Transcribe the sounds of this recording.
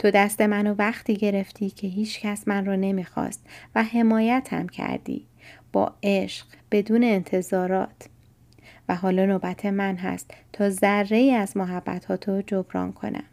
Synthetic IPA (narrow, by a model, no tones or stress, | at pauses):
t̪ʰo̞d̪æst̪e̞mænovæχt̪ʰiːɟe̞ɾe̞ft̪ʰiːcʰe̞ɦiːt͡ʃcʰæsmænrɒːne̞miːxɒ̰ːst̪væɦe̞mɒːjæt̪ʰhæ̰mcʰæ̰ɾd̪ḭː | b̥ɒ̰ːe̞ʃɢ̥b̥e̞d̪uːne̞ːnt̪ʰe̞zɒːɾɒ̰ːt̪ʰ | væɦɒːlɒːnoːbæt̪ʰe̞mænɦæ̰st̪ʰːɒːzæɾːe̞iːæzmoɦæb̥ːæ̰t̪hɒːt̪ʰod͡ʒo̞bɾɒ̰ːnkʰo̞̰nʔæ̰m